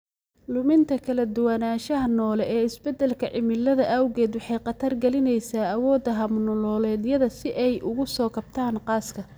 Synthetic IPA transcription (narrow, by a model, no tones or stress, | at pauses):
lʊmɪnt̪ʰɐkʰɐlɐd̪ʊwɑnaːʃɐɦɐnɔːlɛʔɛːɪsbɛd̪ɛlkʰɐʕɪmɪlɐðɐʔɐwɣɛːd̪wɑħɑjqɑt̪ʰɐrɡɛlɪnɛjsaːɐwɔːd̪ɐɦɐmnɔlɔːlɛːd̪jɐðɐsɪʔɛjʔʊɣʊsɔːkʰɐb̥̚t̪ʰaːnqɑːskʰɐ